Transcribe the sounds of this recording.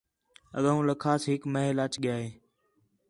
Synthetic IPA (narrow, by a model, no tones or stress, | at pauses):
ə̰ɠãːũːləkʰaːsɦɪkməɦlaːt͡ʃɠɪjaːɦeː